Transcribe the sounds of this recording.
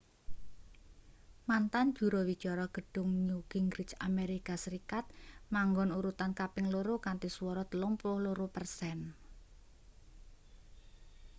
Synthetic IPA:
mant̪and̥ʒ̥ṳɾowid̥d͡ʒ̥ɔɾɔɡ̥ə̤ɖ̥ʊ̤ŋɲuɡ̥iŋɡɾɪt͡ʃameɾikasəɾikat̪̚maŋɡɔnuɾut̪ankapɪŋloɾokant̪isuwɔɾɔt̪əlʊmpʊhloɾopərsɛn

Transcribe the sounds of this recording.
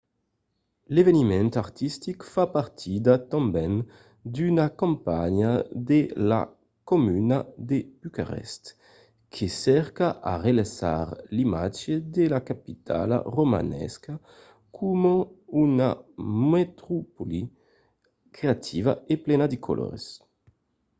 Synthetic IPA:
levenimɛnt̪aɾt̪ist̪ikfapaɾt̪ʰid̪at̪ãmbɛn | d̪ynakɔ̃mpaɲad̪ela̰ | komynad̪eyka̰ʁɛ̰st̪ | kʰesɛɾkaʔaʁelasa̰ʁlimad͡ʒed̪elakapit̪ʰa̰la̰ʁoma̰nɛ̰ska | kʰumoynamet̪ɾupoli | kɾeat̪ʰivaeplɛnad̪ikʰo̰lʔɔ̰ɾes

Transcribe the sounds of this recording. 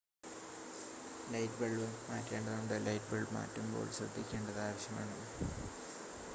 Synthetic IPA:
lɐjtbeɭʋɨmaːtːeːɳɖɐðund̪ɨlɐjt̚beɭma̰ːtːumbo̞̰ːɭsrɐ̰d̪ʱːikʲːe̞ːɳɖɐðaːʋɐɕjɐma̰ːɳɨ

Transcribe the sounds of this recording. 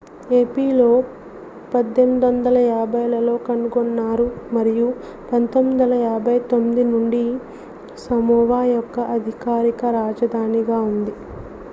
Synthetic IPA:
eːpiːlo̞ː | pɐd̪ːemid̪ʋɐnd̪ɐlɐjaːbʱɐjlɐlo̞ːkɐnuɡonːaːɾumɐɾiju | pɐnt̪omːid̪ɐlɐjaːbʱɐjt̪o̞mːid̪inuɳɖi | sɐmuːʋaːjɔkːɐʔɐd̪ʱikaːɾikɐɾaːd͡ʒɐd̪ʱaːniɡaːund̪i

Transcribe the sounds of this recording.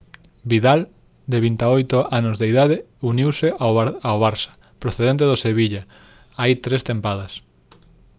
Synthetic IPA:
biðal | d̪eβint̪aojt̪oanʊzðeiðaðɪ | uniwseaawβaɾsɐ̥ | pɾoθeðent̪eðoseβiʎa | ajt̪ɾest̪empaðɐs

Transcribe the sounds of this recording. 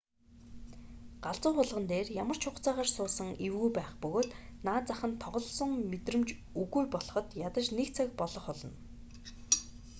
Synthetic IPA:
ɢaɮt͡sʊːχʊɮʁə̆nt̪eːrjamə̆r̥t͡ɕʰʊqt͡saːʁaːrsʊːsə̆ŋiwɣujpæːχpɵɣoːt̪naːt͡saχə̆nt̪ʰːɔʁɞ̆ɮ̆sɞ̆ŋmet̪rɘ̆mt͡ɕ | uɣujpɔɮɞ̆χɞ̆t̪jat̪ə̆t͡ɕnekt͡sʰakpɔɮɞ̆χɔɮɞ̆n

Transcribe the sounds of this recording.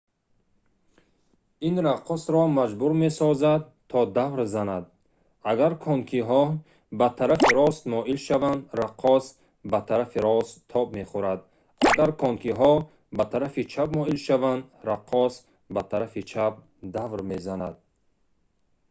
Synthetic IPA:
inɾaqʰːɔsɾɔmad͡ʒbuɾme̞sɔzad̪̚ | t̪ʰɔd̪avɾzanad̪ | aɡaɾkʰɔŋkʰiɦɔ | bat̪ʰaɾafiɾɔst̪mɔʔilʃavand̪ɾaqʰːɔs | bat̪ʰaɾafiɾɔst̪ʰːɔbme̞χuɾad̪ | aɡaɾkʰɔŋkʰiɦɔ | bat̪ʰaɾafit͡ʃʰabmɔilʃavand̪ɾaqʰːɔs | bat̪ʰaɾafit͡ʃʰab̚ | d̪avɾme̞zanad̪̚

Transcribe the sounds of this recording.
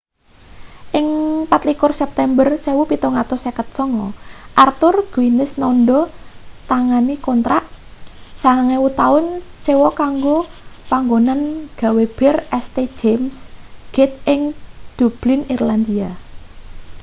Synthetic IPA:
ʔɪŋpat̪likʊrsɛp̚t̪ɛmbərsewupit̪ɔŋat̪ɔsɛkət̪̚sɔŋɔʔart̪ʊrɡ̥winɪsnɔndɔt̪aŋanikont̪ɾaʔsaŋaŋɛwut̪aʊnsewɔkaŋɡopaŋɡonanɡ̥a̤web̥ɛrɛst̪e̥d͡ʒemsɡ̥ɛt̪̚ʔɪŋd̪̥ub̥lɪnirland̪ia

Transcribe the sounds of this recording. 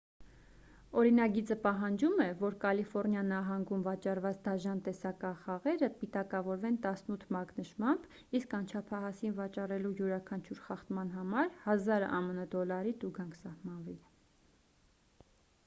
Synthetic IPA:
ɔɾinɑɡit͡səpɑɦɑnd͡ʒumɛvɔɾkɑlifɔɾnjɑnːɑɦɑŋɡumvɑt͡ʃɑrvɑt͡sd̪ɑʒɑnt̪ɛsɑkɑχɑʁɛɾəpit̪ɑkɑvɔɾvɛnt̪ɑsnut̪ʰmɑknəʃmɑmb | iskɑnt͡ʃʰɑpʰɑɦɑsinvɑt͡ʃɑrɛlujuɾɑkʰɑnt͡ʃʰuɾχɑχt̪mɑnɦɑmɑɾhɑzɑɾɑ̰mənəd̪ɔlɑɾit̪uɡɑŋkʰsɑhmɑnvil

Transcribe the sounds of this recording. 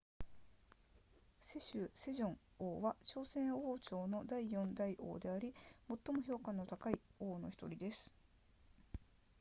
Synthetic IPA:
se̞ɕɨse̞ʑõ̞ŋ | oːβat͡ɕo̞ːsẽ̞ɰ̃o̞ːt͡ɕo̞ːno̞d̪aijõ̞nd̪aiʔo̞̰ːd̪e̞aɾʲimo̞t̪ːo̞mo̞ço̞ːkãnːo̞t̪akaioːno̞̰çi̥t̪o̞ɾʲid̪e̞sɨ̥

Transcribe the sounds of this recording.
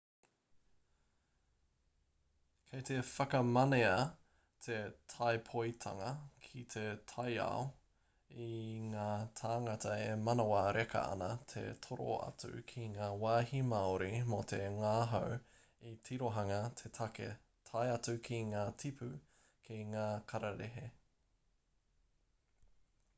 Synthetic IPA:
kʰejt̪ʰefɐkɐmɐneɐ | tʰetʰajpʰojtʰɐ̰ŋɐkʰit̪ʰetʰɐja̰o | iŋaːtʰaːŋɐtɐemɐnɐwɐɾekɐ̰ɐ̰nɐtʰḛtʰoɾo̰ɐ̰t͡sʉ̰kʰiŋaːwaːhimɐoɾimot̪ʰeŋaːɦɐw | itʰiɾoɦɐŋɐtʰetʰɐkḛ | tʰajɐt͡sʉkʰiŋaːtʰipʰʉ | kʰiŋaːkʰɐɾɐɾeɦe

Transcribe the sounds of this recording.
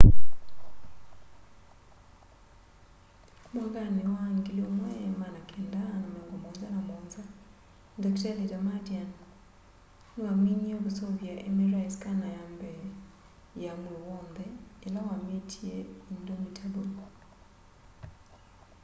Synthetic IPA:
moŋɡanewaŋɡileomwɛmanakʰɛndanamaŋɡɔmɔnzanamɔnza | ndɔktalidamadian | nwamiɲiakusoβjaʔemeraiskanajambɛ | jamulowɔndɛːlawametʰieindomitʰabol

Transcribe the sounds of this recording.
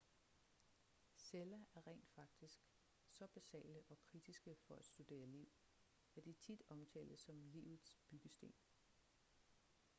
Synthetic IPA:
selæʔæɐʁɛ̰ːnd̥fɑ̈ɡ̥̚d̥isɡ̥ | sɒ̽b̥æsɛ̰ːləʔɒ̽kʰʁid̥isɡ̥əfɒ̽æd̥sd̥ud̥e̝̰ːɐliʊ̰ | æd̥it͡sʰid̥ɒ̽mt͡sʰɛ̰ːldəsɒ̽mliʊð̩ˠsb̥yɡ̥əsd̥e̝̰ːn

